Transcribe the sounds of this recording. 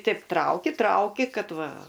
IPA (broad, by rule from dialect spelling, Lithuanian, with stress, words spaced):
ˈtʲɛɪp ˈtrɐʊkʲɪ ˈtrɐʊkʲɪ ˈkɐt ˈʋɐ